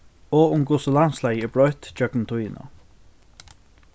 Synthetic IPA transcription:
ɔʊmɡʊsəlanslajəɪbɾɔjt̪t͡ʃœknnt̪ʰujɪnə̰

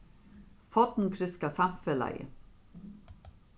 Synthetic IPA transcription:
fɔt̪n̩kʰɾʏskasɑmfɛlæ̰ɪə̰

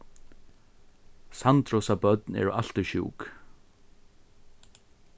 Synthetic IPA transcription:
sant̪ɾɔsabœt̪nɛ̰ɹʔa̰l̥t̪ʏɕṵːk

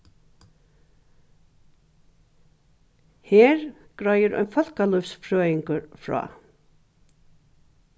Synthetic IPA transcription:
heːɹɡ̥ɾajəɾɔ̰ʏnfɔlkalɔfsfʰɾøːjɪŋkəɾfɹɑ̰ː

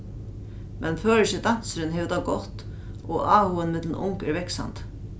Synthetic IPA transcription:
mʔɛnføːɾɪçɪt̪an̥t̪sɾɪnɦɛʋt̪aːɡɔt̪ | ɔaːhuənmɪt̪lnʔʊŋkɛɾʋɛksa̰nt̪

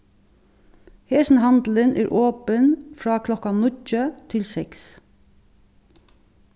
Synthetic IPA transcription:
heːsn̩hɑnd̪l̩ənʔæ̰ːɹʔoːpənfɹɑːkʰlɔkɑnʏcət̪ʰɪlsɛks

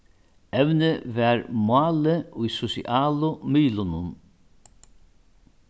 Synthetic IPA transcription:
ɛʋnɪvɛɾmwaːləʊjsʊsḭʔaːlʊmʏːlʊnʊn

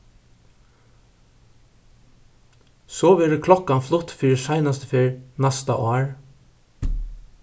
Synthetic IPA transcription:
sɔʋɛːɾəkʰlɔkːanflʊt̪fiːɾɪsajnast̪əfeːɹnast̪a̰ʔaːɹ

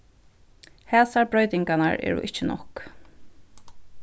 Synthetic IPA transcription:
hɛːsaɹbɹɔɥt̪ɪŋkanaɹɛ̰ːɹʊ̰ʔɪt͡ʃɪnɔ̰hk

